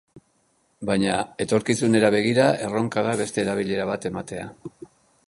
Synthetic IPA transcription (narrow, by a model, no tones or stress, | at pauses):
bajɲae̞t̪o̞ɾkisune̞ɾaβe̞ɣ̞iɾae̞ro̞ŋkaðaβe̞st̪e̞ːɾaβ̞iʎe̞ɾaβ̞at̪e̞mat̪e̞a̰